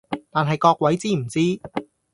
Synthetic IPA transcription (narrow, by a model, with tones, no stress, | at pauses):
t̪aː˨˩nɦɐ˨jkɔː˧k̚wɐ˨˥jt͡siː˥m̩˨˩t͡siː˥